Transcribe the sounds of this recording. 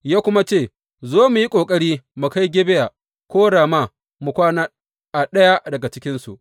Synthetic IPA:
jaː˦kʷʊ˦ma˦t͡ʃeː˦˨ | zaː˦mu˨ji˦kʷʼoː˨kʼɐ˦ɽiː˦mu˨ka˦jɡʲɪ˦bɪ˦ja˨ | kʷoː˦ɽaː˨ma˦ | mu˨kʷaː˦naː˦ | ʔa˨ɗɐ˦ja˦dɐ˨ɡa˨t͡ʃɪ˦kʲɪ˦nsṵ˨ʔ

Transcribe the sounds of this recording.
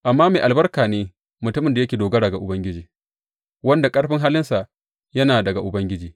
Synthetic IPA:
ʔa˨mːaː˦meː˨ʔa˨lbɐ˦rkaː˨neː˦ | mʊ˨tʊ˦mɪ˨nda˨jɐ˦kʲeː˨doː˨ɡɐ˦dɐ˨ɡa˨ʔʊ˨bɐ˦ŋɡʲɪ˦d͡ʒiː˨ | wɐ˦nda˨kʼɐ˦ɽɸɪ˦ŋɦaː˦lɪ˦nsa˨ʔ | jɐ˦naː˨dɐ˨ɡa˨ʔʊ˨bɐ˦ŋɡʲɪ˦d͡ʒiː˨

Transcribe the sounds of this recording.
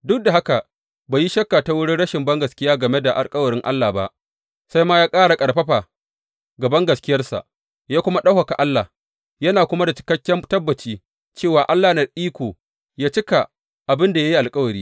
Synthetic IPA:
dʊ˦k̚da˨ɦa˦ka˨ | baː˨ji˦ʃɐ˦kːa˨ta˦wʊ˦ɽɪ˦ɽɐ˦ʃɪ˨mbɐ˦ŋɡɐ˨skʲɪ˦jaː˦ɡɐ˨me˦da˨ʔa̰˨lkʼɐ˦wɐ˨ɽɪ˦ŋʔa̰˦lːaː˨ba̰˦ʔ | sa˦jmaː˦jaː˦kʼaː˦ɽa˨kʼɐ˨ɽɸɐ˦ɸa˨ | ɡɐ˨bɐ˦ŋɡɐ˨skʲɪ˦jɐ˦rsa̰˨ʔ | jaː˦kʷʊ˦ma˦ɗa˦wka˨ka˨ʔa˦lːa̰˨ | jɐ˦naː˨kʷʊ˦ma˦da˨t͡ʃɪ̥˨˦kɐ˦kʲːɛ˦tɐ˦bːɐ˨t͡ʃiː˦ | t͡ʃeː˦˨waː˨ʔa˦lːaː˨nɐ˨rʔiː˦kʷoː˨ | jaː˦t͡ʃɪ˦ka˨ | ʔa˨bɪ˦nda˨ja˦ji˦ʔa˨lkʼɐ˦wɐ˨ɾiː˦

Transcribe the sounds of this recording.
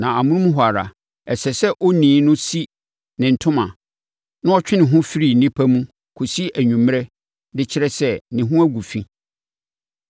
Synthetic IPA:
nã˨a˨mʊ̃˦nũ˦m̃˦ɦwa˨ɾa̰˨ | ɛ˨sɛ˨sɛ˦ʔɔ˦nĩː˨˦nʊ̃˦si˦ | nɪ̃˨n̩˨tʰʊ̃˦mã˨ | nʊ̃˦ɔ˦t͡ɕᶣɪ˦nɪ̃˨ɦʊ̃˦fi˦ɾi˦˨nɪ̃˦pʰæ˦mũ˦ | kʰo˨si˦æ˨ɲũ˨m˦ɾɛ˦ | dɪ˦t͡ɕʰɪ˦ɾɛ˦sɛ˦nɪ̃˨ɦʊ̃˦æ˦ɡu˨fĩ˦

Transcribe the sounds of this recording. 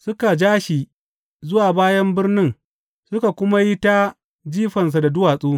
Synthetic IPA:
sʊ˦ka˨d͡ʒaː˦ʃi˨ | zʊ˦waː˨baː˦jɐ˦mbɪ˦rnɪ˦ŋ | sʊ˦ka˨kʷʊ˦ma˦ji˦ta˦ | d͡ʒiː˦ɸɐ˨ns̬a˨da˨dʊ˦waː˨sʼuː˦

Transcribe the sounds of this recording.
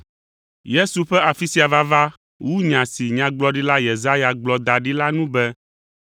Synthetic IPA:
je˦su˨ɸɛ˦a˨fi˦si˦a˨va˦va˦ | wu˦ɲã˨si˨ɲã˨ɡ͡blɔ˦ɖi˦la˦je˨za˦ja˨ɡ͡blɔ˨d̪a˨ɖi˦la˦nũ˦bɛ˦

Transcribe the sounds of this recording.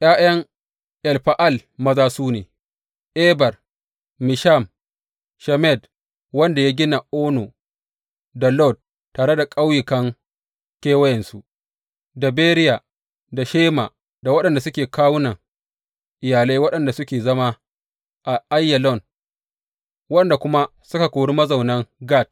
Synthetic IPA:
ʔj̰aː˦jɐ˦ŋ | ʔɛ˨lɸa˨ʔa˦˨lmɐ˦zaː˦suː˦neː˨ | ʔɛ˦bɐ˨rː | ɪ˨ʃa˦˨m | ʃɛ˨mɛ˦˨d | wɐ˦nda˨jaː˦ɡʲɪ˦na˨ʔoː˦no˨ | da˨lɔ˦˨d̚ | tːaː˨ɽe˦da˨kʼa˦wjɪ˨kɐ˦ŋ | kʲeː˦wɐ˦jɛ˨nsu˨ | da˨beː˦ɾɪ˦ja˨ | da˨ʃeː˦ma˨ | da˨wɐ˦ɗɐ˨nda˨sʊ˦kʲeː˨kaː˦wʊ˦nɐ˨ŋ | ʔɪ˨jaː˨le˦wɐ˦ɗɐ˨nda˨sʊ˦kʲeː˨zɐ˦ma˦ | ʔa˨ʔa˦jːɛ˨lɔ˦˨n | wɐ˦ɗɐ˨nda˨kʷʊ˦ma˦ | sʊ˦ka˨kʷoː˨ɽi˦mɐ˦za˨wnɐ˦ŋɡa˦˨t̚

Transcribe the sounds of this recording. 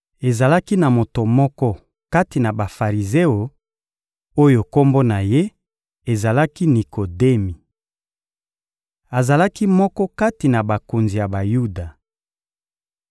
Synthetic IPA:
e˨za˨la˦ki˦na˨mo˨to˨mɔ˦kɔ˦ | ka˦ti˨na˨ba˨fa˨ʁi˨ze˦o˨ | o˦jo˨ko˦mbo˦na˨je˦ | e˨za˨la˦ki˦ni˨kʰo˨de˦mi˨ | a˨za˨la˦ki˦mɔ˦kɔ˦ka˦ti˨na˨ba˨ko˨nzi˨ja˨ba˨ju˦da˨

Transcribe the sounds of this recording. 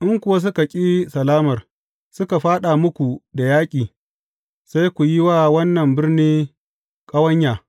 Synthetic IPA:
ʔɪ˦ŋkʷʊ˨wa˦s̬ʊ˦ka˨kʲʼiː˦sɐ˨laː˦mɐ˨r | sʊ˦ka˨ɸaː˦ɗa˨mʊ˦kʷu˨da˨jaː˦kʲʼiː˨ | sa˦jkʷu˨ji˦waː˦wɐ˦nːɐ˨mbɪ˦rniː˦ | kʼɐ˦wɐ˦ɲjaː˨

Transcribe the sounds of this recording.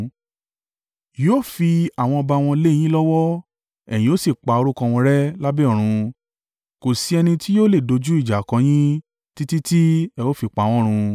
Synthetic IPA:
jo˦˨fi˧a˨w̃ɔ̃˧ɔ˧ba˧w̃ɔ̃˧˦le˦˨j̃ĩ˦lɔ˦wɔ˦ | ɛ˨j̃ĩ˨˧o˦si˦˨k͡pa˧o˧ɾu˦kã˧w̃ɔ̃˧ɾɛ˦la˦bɛ˦ɔ˨ɾ̃ũ˧ | ko˨si˧ɛ˧nĩ˧tʰi˦joː˦le˦˨do˧d͡ʒu˦i˦˨d͡ʒa˨kã˨˧˦j̃ĩ˦ | ti˦ti˦ti˦ɛ˧o˦fi˧˨k͡pa˨˦˨w̃ɔ̃˦ɾ̃ũ˧

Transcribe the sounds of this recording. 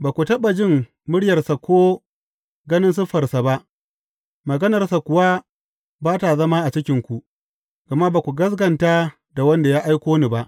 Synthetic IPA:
baː˨kʷu˨tɐ˦ɓa˨d͡ʒɪ˦˨m | mʊ˦ɽjɐ˨rsa˨kʷoː˦ | ɡɐ˦nɪ˦nsʊ˦ɸɐ˨rsa˨ba˦ʔ | mɐ˨ɡɐ˦nɐ˨rsa˨kʷʊ˨wa˦ | baː˦ta˨zɐ˦ma˦ʔa˨t͡ʃɪ˦kʲɪ˦ŋkʷu˨ʔ | ɡ̥a˨ma˦ba˨kʷu˨ɡɐ˦s̬ɡɐ˨ntaː˦ | da˨wɐ˦nda˨jaː˦ʔa˦jkʷoː˦ni˨ba˦ʔ

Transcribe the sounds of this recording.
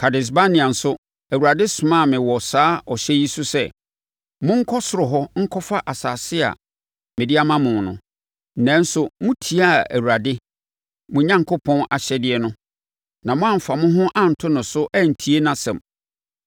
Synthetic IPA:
kʰa˨dɪ˨s̬ba˦nĩ˨ã˨n̩˨sʊ˦ | æ˨wu˨ɾa˨dɪ˦sʊ˨mã˦˨mɪ̃˨wɔ˨saː˦ɔ˨ɕɛ˦ji˦sʊ˦sɛ˦˨ | mʊ̃˦ŋ̩˦kʰɔ˦sʊ˨ɾʊ˨ɦɔ˦ŋ̩˦kʰɔ˦fa˦ʔa˨saː˨sɪ˦a̰˨ | mɪ̃˨dɪ˦a˦mã˦mʊ̃˨nʊ̰̃˨ | n̩˦˨nɛ̃˦n̩˦sʊ˦mʊ̃˦tʰi˨a˦æ̰˨wu˨ɾa˨dɪ˦ | mʊ̃˨ɲã˦ŋkʰo˦pʰɔ̃˦na˨ɕɛ˦dɪ˦ɛ˦nʊ̃˦ | nã˨mʊ̃˦ã˦m̩˨fa˨mʊ̃˦ɦʊ̃˦ʔã˦n̩˨tʰʊ˦nʊ̃˨sʊ˦ʔæ˦n̩˨tʰi˨˦e˦nã˨sɛ̰̃˨m

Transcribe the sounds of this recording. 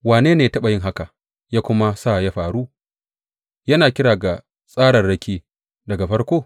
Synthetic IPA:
waː˨neː˦neː˨tɐ˦ɓɐ˨jɪ˦ŋɦa˦ka˨ | jaː˦kʷʊ˦ma˦saː˦˨ja˦ɸaː˨ɽuː˦ | jɐ˦naː˨kʲɪ˦ɽaː˨ɡa˨ | sʼaː˦ɽɐ˨rɽɐ˦kʲiː˦ | dɐ˨ɡa˨ɸɐ˦ɽkʷoː˦˨

